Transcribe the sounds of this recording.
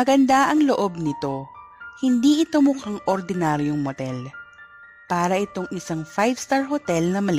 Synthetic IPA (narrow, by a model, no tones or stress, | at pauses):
mɐɡɐnd̪aʔɐŋloʔob̚nɪt̪o̞ | hɪnd̪iʔɪt̪omʊkaŋʔoɾd̪ɪnaːɾjoŋmot̪ɛl | paːɾɐʔɪt̪o̞ŋʔɪsaŋfajvst̪aɹɦot̪ɛlnɐmɐlɪ